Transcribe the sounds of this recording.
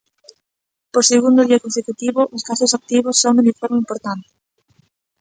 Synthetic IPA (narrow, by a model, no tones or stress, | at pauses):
poseɣund̪ʊðiakonsekut̪iβʊʔʊskasʊsak̚t̪iβ̞ʊsːoŋmenifoɾmeimpoɾt̪ant̪ɪ̥